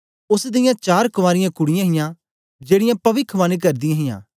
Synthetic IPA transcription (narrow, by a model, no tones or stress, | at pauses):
ʊsd̪ɪjãt͡ʃaːɾkʊʋaːɾɪjãkʊɽɪjãɦɪjã | d͡ʒeːɽɪjãpɐʋɪkʰʋaːnik̬ɐɾd̪ɪjãɦɪjã̰ː